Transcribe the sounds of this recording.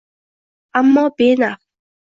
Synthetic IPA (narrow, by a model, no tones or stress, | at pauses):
amːɔbena